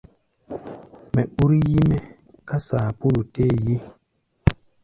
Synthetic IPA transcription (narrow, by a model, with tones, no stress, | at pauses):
mɛ˨ɓu˦ɾi˦ji˦me˦ | ka˦saː˨pu˦lu˨te˦˨ji˦